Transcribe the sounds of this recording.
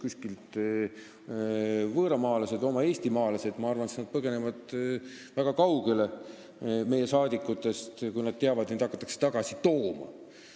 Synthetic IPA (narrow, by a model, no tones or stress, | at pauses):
kusʲkilt̪ | vɤːɾɑmɑːlɑse̞d̪o̞mɑe̞ːst̪imɑːlɑse̞d̪mɑɑrvɑnsnɑd̪̥̚pɤɡe̞ne̞vɑd̪̥ | væɡ̥ɑkɑwɡ̥ele̞ | me̞je̞sɑːd̪ikːˑut̪ːˑe̞st̪kujnɑd̪̥̚t̪eɑvɑd̪̥nid̪ɑkːˑɑ̥t̪ˑːɑkse̥t̪ɑɡ̥ɑsit̪o̞ːmɑ̰